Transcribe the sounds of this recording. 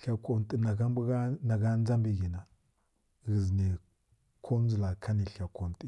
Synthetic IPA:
ɬa˨ko˨nti˨na˨ɡa˦mbɡa˦na˨ɡa˦n˦d͡za˦mbi˨ɡi˨na˨ | ɣi˨zni˨ | kʰo˦n˦zu˨la˨kʰa˦ni˨ɬa˨ko˨nti˦˨

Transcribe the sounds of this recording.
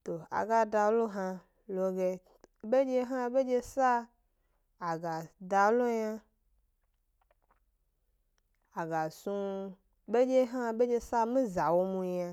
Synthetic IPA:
t̪o˨a̰˨ɡa˦da˨lo˦ɦã˦ | lo˨ɡe˨ | be˦d͡ʒe˦ɦã˦be˦d͡ʒe˦sa˦ | a˨ɡa˨da˨lo˦ɲã˦ | a˨ɡa˨sũ˦ | be˦d͡ʒe˦ɦã˦be˦d͡ʒe˦sa˦mĩ˦za˨wo˦mũ˨˦ɲ˦ã˨

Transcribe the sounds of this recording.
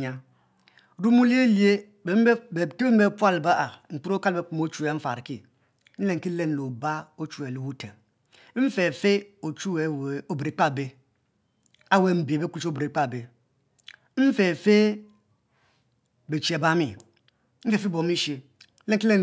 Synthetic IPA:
ɲa˨ | ɾu˦mu˦li˦e˦li˦e˦˨˦ | te˦be˦m̩˦be˦pwa˦˨lba˦ʔa˨ŋ͡m̩˨k͡pu˦ɾo˦ka˦lbe˦k͡pu˨mo˦t͡ʃu˦e˨˦ɱ̩˦fa̰˨ɾki˦ | n̩˦le˦ŋ˨ki˦le˦n˨lo˨ba˦o˦t͡ʃu˦e˨lu˦wu˦te˨ŋ̩˦ | fe˨fe˦o˨t͡ʃu˦we˨o˨bɾe˨˦k͡pa˦˨be˦ | a˦we˦˨m̩˦bi˨e˨be˦ku˦t͡ʃo˦bɾe˨k͡pa˦˨be˨ | m̩˦fe˨fe˦ | be˨t͡ʃe˨ba˦mi˨˦ | m̩˦fe˨fe˦bo˨mi˦ʃe˨ | n̩˦le˦ŋ˦ki˦le˦n

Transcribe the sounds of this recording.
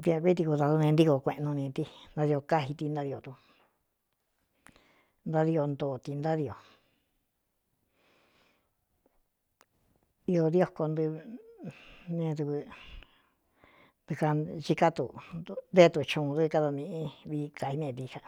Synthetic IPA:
d̪i˧ã˧kʷi˦t̪̬i˧ku˧ða˧ðu˧nẽ˧nd̪i˧ko˧kʷẽ˧ʔnũ˧nĩ˧t̪i˧nd̪a˧ði˧o˧ka˦ɦi˧t̪i˧nd̪a˧ði˧o˧t̪u˧ | nd̪a˦˧ði˧o˧nd̪oː˨t̪i˧nd̪a˦ði˧o˨ | i˧o˧ðjo˦ko˧nd̪ɨ˧ | nẽ˧ðɨ˧βɨ˧ | nd̪u˧ka˧t͡ʃi˦˧ka˦t̪u˧nd̪e˦t̪u˧t͡ʃũ˧ðɨ˦˧ka˧ða˧mĩ˧ʔĩ˦˧βi˧ka˧hi˧nẽ˧t̪i˧ka˧

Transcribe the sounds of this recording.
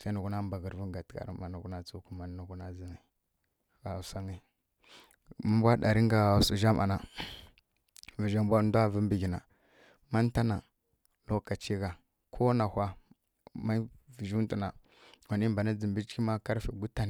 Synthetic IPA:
sa˦nu˨ɡu˦na˦mba˨ɡə˨ɾvu˦ɡa˨tka̰˨ɾi˦a˨nu˨ɡu˦na˦t͡su˦ku˦ma˨n˦nu˨ɡu˦na˦zi˨ŋi˨ | ɣa˨sa˦ŋi˦ | ma˦mbʷa˦ɗa˨ɾi˦ŋɡa˨su˨ʒa˦mʔa̰˨na˨ | və˨ʒa˦mbʷa˦ndu˦a˦və˦mbi˨ɡi˨na̰˨ | ma˦n˦ta˦na˨ | lo˦ka˨t͡ʃi˦ɡa˨ | kʰo˦na˨hʷa˦ | ma˦vi˨ʒu˦ti˦˨na˨ | wa˨ni˦mba˨na˦d͡zi˨mbi˦t͡ʃki˦ma˦ka˦ɾfi˨ɡu˦ta˦n˨

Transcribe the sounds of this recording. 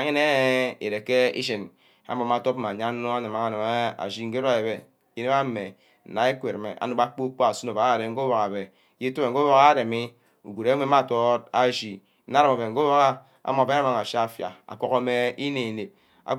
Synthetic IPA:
a˨ɲe˦ne˦e˨ɾe˨ke˦ḭ˦ʃ̬e˨n | a̰˦m˨ma˨to˦p̚ma˨ɲa˦no˦a˦ne˨ma˨ŋa˨na˨m˦a̰˨d͡ʒi˦ŋ̩˦ɡe˦a˨je˨be˦ | i˦ne˦ma˦me˨ | na˨e˦kʷe˨ɾme˨a̰˨nu˦ba˦k͡po˦k͡po˦a˨su˦no˨ba˨˦˨ɾe˨ŋ̩˦ɡo˦wo˨ka˨be˨ | je˦to˦e˨ŋ̩˨o˦wo˦ɣa˦ɾe˨mi˦ | u˨ɡu˨ɾe˦e˦ma˦˨to˦ta˦ʒi˨˦ | a˦ɾa˨ma˨be˨ɡo˦wo˦ɣa˦ | a̰˦mo˨be˦a˦ma˨ŋa˨ʃa˦a˦˨fja̰˨a̰˨kʷo˦ko˦me˦i˦ne˨ne˨p̚ | a̰˨

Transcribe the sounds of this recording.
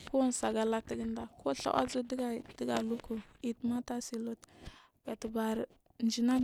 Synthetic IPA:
ku˦n˨sa˨ɡa˨la˦ti˨ɡə˦nda˨ko˦ɬa̰˦wʔa̰˦zu˦di˦ɡa˦də˦ɡa˨lu˦ku˨i˨tma˦ta˦si˨lo˦t | b̥a˨tə˨ba˨ɾ | nd͡ʒi˨na˦

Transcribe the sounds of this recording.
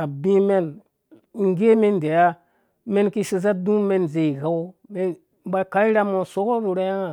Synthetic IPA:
a˨bĩ˦me˦n˨ | ŋ˦ɡe˦me˦n˨de˨ja˦ | me˦nki˦si˨z̬a˦dũ˦me˦n˨ze˨i˨ɡa˦wme˦ | m˦ba˦ka˦i˦ɾa˦mo˨so˦ko˦bu˨ɾa˦ja˦ŋa˨

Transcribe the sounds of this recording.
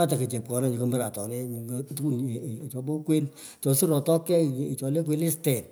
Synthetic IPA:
a˦ta˨ke˨t͡ʃe˨p̚kɔ˨na˦ɲe˨kə˧mə˦ɾa˨tɔ˨ne˦˨ŋɡtn˨t͡ʃɔ˧bo˦kwe˦n | t͡ʃɔ˨si˦ɾɔ˨tɔ˦kːɛ˦˨i˨t͡ʃɔ˨le˦k̬we˦lɪ˦stɛ˨n

